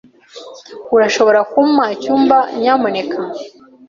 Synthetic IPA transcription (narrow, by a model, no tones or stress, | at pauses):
kuɾaʃo̞βo̞ɾakumaicuːmbaɲamoneka